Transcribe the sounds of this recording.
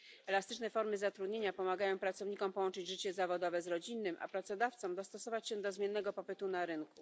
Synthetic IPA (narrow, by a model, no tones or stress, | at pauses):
ɛlast̪ɘt͡ʂnɛfɔɾmɘzat̪ɾud̪ɲeɲapɔmaɡajɔ̃w̃pɾat̪sɔvɲikɔmpɔwɔnt͡ʂɘd͡ʑʐɘt͡ɕɛzavɔd̪ɔvɛzɾɔd͡ʑinːɘmʔa̰pɾat̪sɔd̪aft̪sɔ̃md̪ɔst̪ɔsɔvat͡ɕɕɛ̃d̪ɔzmʲjɛnːɛɡɔpɔpɘt̪unaɾɘnku